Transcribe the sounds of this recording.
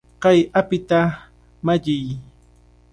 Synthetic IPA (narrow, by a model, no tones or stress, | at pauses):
qɑjapɪt̪a | maʎɪj